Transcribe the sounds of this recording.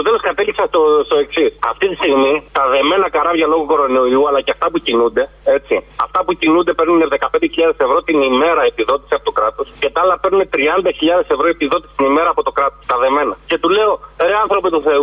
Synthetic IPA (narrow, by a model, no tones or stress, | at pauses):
t̪ot̪elo̞skɐt̪e̞liksɐost̪o̞e̞ksisɐ̰ft̪it̪ist̪iɣmit̪ɐðe̞me̞nɐkɐɾɐvʝɐlo̞ɣoko̞ɾo̞niuiuɐlɐceɐft̪ɐpucinund̪e̞ | e̞t͡siɐft̪ɐpucinund̪epeɾnuneðekɐpe̞nd̪eçiʎɐðe̞se̞vɾo̞t̪inime̞ɾɐe̞piðo̞t̪isiɐpo̞t̪okɾɐt̪o̞scet̪ɐɐlɐpe̞ɾnunet̪ɾiɐnd̪ɐçiʎɐðe̞se̞vɾo̞epiðo̞t̪isi̥st̪inime̞ɾɐːpo̞t̪o̞kɾɐt̪ost̪ɐðe̞me̞nɐce̞t̪ule̞o̞eɾeɐnθɾo̞pit̪uθe̞u